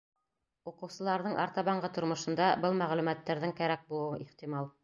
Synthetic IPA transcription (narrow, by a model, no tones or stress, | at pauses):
uqɤ̆wsɤ̆lˠɑɾðɤɴʔɑ̰ɾt̪ɑβɑɴɢɤt̪ŏɾmŏʃɤ̆nd̪ɑbɤlˠmæʁlʉmæt̪ːæɾðɘŋkæɾæk̚bulˠɤ̆wɤʔiχt̪imɑlˠ